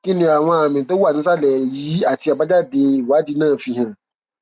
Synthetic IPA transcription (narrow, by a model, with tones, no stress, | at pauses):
ki˦nũ˧˦a˨w̃ɔ̃˧a˨mĩ˨to˨˦wu˦a˦˨nĩ˨˦s̬a˦˨lɛ˨jiː˨˦a˦˨ti˧a˨ba˦d͡ʒa˦˨de˧i˨wa˨˦d͡ʒi˧˦nãː˦˨fi˧ɦã˨